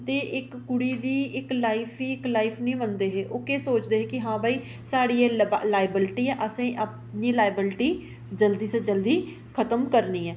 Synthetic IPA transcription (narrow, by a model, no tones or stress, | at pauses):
t̪eːʔɪkːʊɽiːd̪iːɪklaːɪpʰiːɪklaːɪpʰnĩːmənd̪eːɦeːʔoːkeːsoːt͡ʃd̪eːɦeːkɪɦãːbaːiː | saːɽiːɛːlaːɪbɪlʈiːɛːʔəsẽːʔəp̚ | niːlaːɪbɪlʈiː | d͡ʒəld̪iːsed͡ʒəld̪iː | kʰət̪əmkəɾniːɛː